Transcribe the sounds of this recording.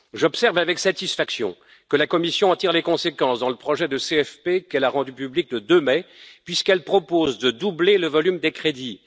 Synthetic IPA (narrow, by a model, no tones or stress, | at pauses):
ʒɔpsɛʁvavɛksat̪isfaksjɔ̰̃ | kəlakɔmisjɔ̃ɑ̃t̪iʁlekɔ̃sekɑ̃sd̪ɑ̃ləpχɔʒɛd̪əseɛfpekɛlaʁɑ̃d̪ypyblik̚ləd̪ømɛpɥiskɛlpχɔpozd̪əd̪ubleləvɔlymd̪ekχed̪i